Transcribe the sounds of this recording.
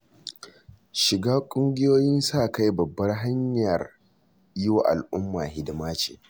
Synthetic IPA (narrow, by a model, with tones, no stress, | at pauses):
ʃɪ˨ɡaː˦kʷʼʊ˦ŋɡʲɪ˦joː˦jɪ˦nsaː˦˨ka˦jbɐ˨bːɐ˦rɦa˦ɲjɐ˨r | jɪ˦wa˨ʔa̰˨lʔʊ˦mːaː˨hɪ˦dmaː˦t͡ʃḛː˨